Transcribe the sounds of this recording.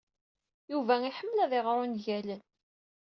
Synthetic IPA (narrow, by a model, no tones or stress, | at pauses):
juvæiħəmːlæðɪʁɾˤʊnʝælən